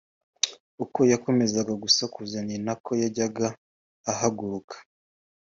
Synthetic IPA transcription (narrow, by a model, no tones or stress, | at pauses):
uko̞jako̞me̞zaɡaɡusakuzaninakʰo̞jaɟaɡaː | haɡuɾukʰḁ